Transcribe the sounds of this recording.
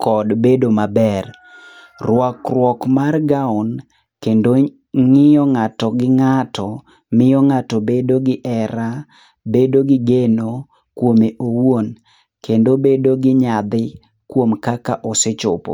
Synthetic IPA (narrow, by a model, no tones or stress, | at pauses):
kʰɔdbedomabɛr | rwɔkrwɔkmarɡaʊn | kendo | ŋɪjɔŋatɔɡɪŋatʰɔ | mɪjɔŋatɔbedoɡɪʔɛɾa | bedoɡɪɡeno | kwomeʔowon | kendobedoɡɪɲad̪ɪ | kwomkakaʔɔsɪt͡ʃɔpo̰